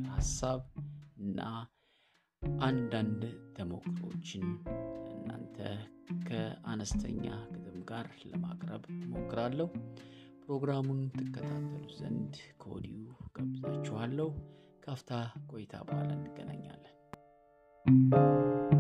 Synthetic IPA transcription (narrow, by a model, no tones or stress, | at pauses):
hasaβɨnːa | ʔand̪and̪t̪ʰəmo̞kʰːɨɾo̞t͡ʃːɪnʔɨnːa̰nt̪ʰəkʰəanəst̪ʰə̰ɲːaɡɨd̪ɨmɡaɾləmakʼɾəβmo̞kːɨɾalːəhu | pɾo̞ɡɾamunt̪ʰɨkːət̪ʰat̪ʰːəluzə̰nd̪kʰəɔd̪ijuɡ̥əbzat͡ʃːɛhalːəh | kʰaft̪ʰakʼo̞jt̪ʰa̰bəhalənd̪ɨɡ̥ːənə̰ɲːa̰lːən